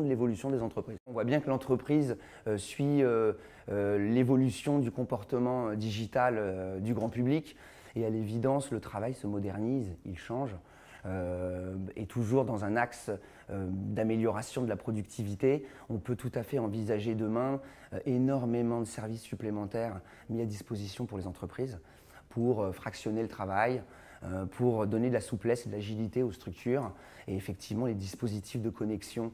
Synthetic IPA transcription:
d̪əlevɔlysjɔ̃d̪ezɑ̃t̪χəpχizɔ̃vwabjɛ̃kəlɑ̃t̪χəpχiz | øsɥiø | ølevɔlysjɔ̃d̪ykɔ̃pɔʁt̪əmɑ̃ød̪iʒit̪alød̪yɡʁɑ̃pyblikʲ | ealevid̪ɑ̃slət̪χavajsəmɔd̪ɛʁnizilʃɑ̃ʒ | ø | et̪ʰuʒuʁd̪ɑ̃zɛ̃naks | ød̪ameljɔʁasjɔ̃d̪əlapχɔd̪yk̚t̪ʰivit̪e | ɔ̃pøt̪ut̪afɛɑ̃vizaʒed̪əmɛ̃ | ʔenɔʁmemɑ̃d̪əsɛʁvisːyplemɑ̃t̪ɛʁ | miad̪ispozisjɔ̃puʁlezɑ̃t̪χəpχiz | pʰuʁøfχaksjɔnelət̪χavaj | øpʰuʁd̪ɔned̪əlasuplɛsd̪əlaʒilit̪eost̪χyk̚t̪ʰyʁ | eefɛk̚t̪ʰivmɑ̃led̪ispozit̪ʰifd̪əkʰɔnɛksjɔ̃

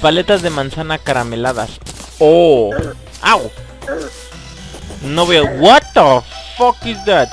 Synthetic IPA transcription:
palet̪azðemãnsanakaɾamelaða̰so | aw | noβojawat̪ofɔkizðat̪

